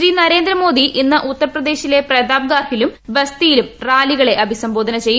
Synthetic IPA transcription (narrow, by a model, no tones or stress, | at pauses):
ɾiːnɐɾe̞ːnd̪ɾɐmo̞ːd̪iʔinːɐʔut̪ːɐrɐprɐd̪e̞ːɕile̞prɐd̪aːb̚ɡaːrhilumbɐst̪ijilumraːliɣɐɭe̞ʔɐbʱisɐmbo̞ːd̪ʱɐnɐt͡ɕe̞jː